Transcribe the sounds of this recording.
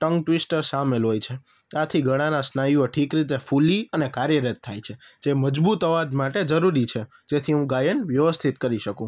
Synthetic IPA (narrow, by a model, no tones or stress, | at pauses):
ʈəŋɡʈʋisʈəɾsamelɦojt͡ʃʰe | at̪ʰiɡʱəɽ̃anasnajoʈʰikɾit̪efuliənekaɾjəɾət̪ʰːa̰jt͡ʃʰe | d͡ʒeməd͡ʒbut̪əʋad͡ʒmaʈed͡ʒəɾuɾit͡ʃʰe | d͡ʒet̪ʰiɦũɡajəɳʋjəʋəst̪ʰit̪kəɾiʃəkũ